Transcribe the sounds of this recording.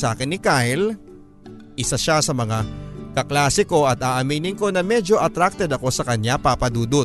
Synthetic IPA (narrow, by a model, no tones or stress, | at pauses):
sʔaːkɪnːɪkajl | ʔɪsaʃasɐmɐŋakɐklaːsɪko̞ʔɐt̪̚aːʔɐmiːnɪnko̞nɐmɛd͡ʒo̞ʔɐt̪ɾak̚t̪ɛd̪ɐko̞sɐkɐɲjapapɐd̪uːd̪o